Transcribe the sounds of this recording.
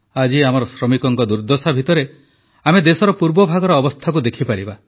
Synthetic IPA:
ad͡ʒiamɔɾɔsɾɔmikɔŋkɔd̪uɾd̪ɔsabʱit̪ɔɾe | amed̪esɔɾɔpuɾbɔbʱaɡɔɾɔːbɔst̪ʰak̬ud̪ekʰipaɾiba

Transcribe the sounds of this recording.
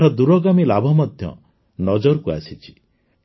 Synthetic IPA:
ɾɔd̪uɾɔɡamilabʱɔmɔd̪ʱjɔ̰ | nɔd͡ʒɔɾkua̰sit͡ʃʰi̥

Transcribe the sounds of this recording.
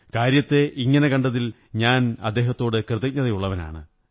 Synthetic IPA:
kaːɾjɐt̪ːe̞ʔiŋːɐne̞kɐɳɖɐðil | ɲaːnɐ̰d̪ːe̞ːɦɐt̪ːo̞ːɽɨkrɨðiɲːɐðɐjuɭːɐʋɐna̰ːɳɨ̰

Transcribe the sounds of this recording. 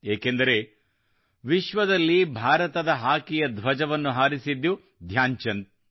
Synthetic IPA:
eːkend̪ɐɾe̞ | ʋiʃʋɐd̪ɐlːibʱaːɾɐt̪ɐd̪ɐɦaːkijɐd̪ʋɐd͡ʒɐʋɐnːuɦaːɾisid̪ːu | d̪ʱjaːɲt͡ʃɐnt̪

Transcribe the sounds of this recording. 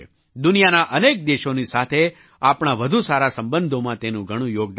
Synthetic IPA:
d̪ʊnijanaʔənek̚d̪eʃonisat̪ʰe | apɳ̃aʋəd̪ʱusaɾasə̃mbənd̪ʱomãt̪enũɡʱəɽ̃ũjoɡ̚d̪

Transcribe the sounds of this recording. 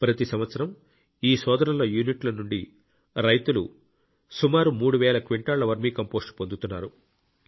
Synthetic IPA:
pɾɐt̪isɐmʋɐt̪sɐɾɐm | iːsɔːd̪ɐɾɐnlɐjuːniʈlɐnuɳɖi | ɾɐjt̪ulṵ | sumaːɾumuːɽuʋɛːlɐkʋiɳʈaːɭːɐʋɐɾmiːkɐmpo̞ːsʈpo̞nd̪ut̪unːaːɾu

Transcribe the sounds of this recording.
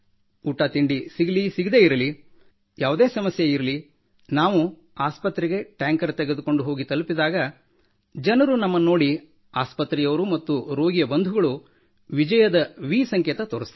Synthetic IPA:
uʈːat̪iɳɖisiɡilisiɡid̪e̞ːiɾɐli | jaːʋud̪e̞ːsɐmɐsjeiɾɐli | naːʋu | aːspɐt̪ɾɛɡe̞ʈaːŋkɐɾt̪ɛɡe̞d̪uko̞ɳɖuɦo̞ːɡit̪ɐlupid̪aːɡɐ | d͡ʒɐnɐɾunɐmːɐnːo̞ːɽi | aːspɐt̪ɾijɐʋɐɾumɐt̪ːuɾo̞ːɡijɐbɐnd̪ʱuɡɐɭu | ʋid͡ʒɐjɐd̪ɐʋiːsɐŋkɛːt̪ɐt̪oːɾɐst̪

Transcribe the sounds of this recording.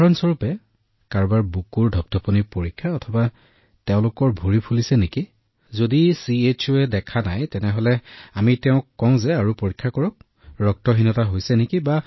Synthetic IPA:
ɹɔnsɔɹupɛ | kaɹbaɹbukuɹdʱɔp̚tʰɔpɔnipoɹikʰːaɔtʰɔba | tɛʊ̃lʊkɔɹbʱoɹipʰulisɛneki | zodisiet͡ʃʰuɛdɛkʰanajtɛnɛɦolɛamitɛʊ̃kːɔʊ̃zɛaɹupoɹikʰːakɔɹɔk̚ | ɹɔk̚tɔɦinɔtaɦojsɛnekiba

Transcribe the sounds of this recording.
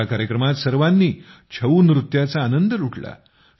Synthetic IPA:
akaɾjəkɾəmat̪səɾʋanːiːt͡ɕʰəʋuːnɾut̪jat͡saːnənd̪əɾuʈʰla̰

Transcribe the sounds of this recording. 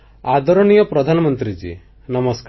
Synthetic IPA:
ad̪ɔɾɔnijɔpɾɔd̪ʱanɔmɔnt̪ɾid͡ʒḭ | nɐmɔskː

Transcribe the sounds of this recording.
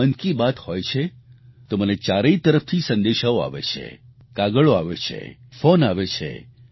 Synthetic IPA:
ənkibat̪hɔjt͡ʃʰe | t̪omənet͡ʃaɾeit̪əɾəft̪ʰisə̃nd̪eʃaoa̰ʋḛt͡ʃʰḛ | kaɡəɭoa̰ʋet͡ʃʰḛfonaʋet͡ʃʰḛ

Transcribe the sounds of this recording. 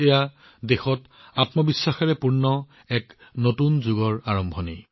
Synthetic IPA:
eja | dexɔt | atmɔbisːaxɛɹɛpuɹnɔ | ɛknotunzuɡɔɹaɹɔmbʱɔne

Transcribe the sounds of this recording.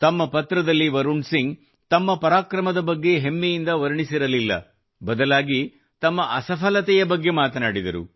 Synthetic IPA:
t̪ɐmːɐpɐt̪ɾɐd̪ɐlːiʋɐɾuɳɖsiŋɡ | t̪ɐmːɐpɐɾaːkɾɐmɐd̪ɐbɐɡːe̞ɦemːɛjind̪ɐʋɐɾɐɳisiɾɐlilːɐ̰ | bɐd̪ɐlaːɡi | t̪ɐmːɐʔɐsɐpʰɐlɐt̪ɛjɐbɐɡːe̞maːt̪ɐnaːɽid̪ɐɾṵ

